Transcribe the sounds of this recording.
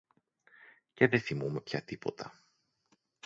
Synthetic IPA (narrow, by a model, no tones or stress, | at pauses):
ceðeθimume̞pçɐt̪ipo̞t̪ɐ̰